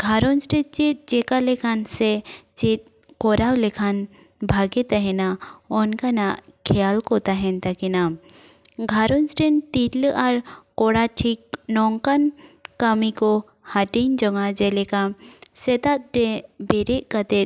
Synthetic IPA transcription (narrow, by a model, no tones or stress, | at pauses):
ɡʱaɾɔnsʈɛt͡ʃit̪̚ˀd͡ʒɛkalɛkʰansɛt͡ʃit̪̚ | kɔɾawlɛkʰan | bʱaɡɛt̪aɦɛnaɔnkanaʔkʰɛjalkɔt̪aɦɛnt̪akina | ɡʱaɾɔnsʈɛnt̪itləʔaɾkɔɽaʈʰik̚nɔŋkankamikɔ | haʈind͡ʒɔŋad͡ʒɛlɛkamsɛt̪at̪̚ɾɛbɛɾɛʔkat̪ɛt̪̚